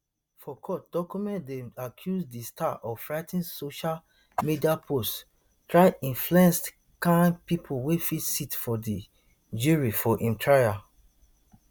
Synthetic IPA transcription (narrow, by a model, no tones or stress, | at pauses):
fɔkʰɔt̚d̥ɔkjumɛ̃nt̚deakʰjuzdistʰaʔɔv̥fɹaɪtĩnsoʃal | midiapʰost | tɹaɪĩnfluɛ̃ns | kãɪ̃npipʰowefidsitfɔdi | d͡ʒuɹifɔʔĩmtʰɹaa